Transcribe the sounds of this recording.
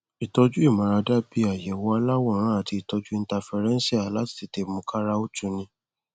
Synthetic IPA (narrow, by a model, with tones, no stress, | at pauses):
i˨tɔ˧d͡ʒu˦i˦˨mã˨˧ɾa˧da˦bi˧˦a˨jɛ˨wɔ˧a˧˦la˦wɔ̃˦˨ɾ̃ã˦a˦˨ti˧i˨tɔ˧d͡ʒu˦i˦˧n̩˦ta˧fɛ˧ɾɛ̃˦n˦si˦a˨la˦ti̥˦˨ti˨te˨mũ˧kʰa˦ɾa˦o˦tu˦nĩ˧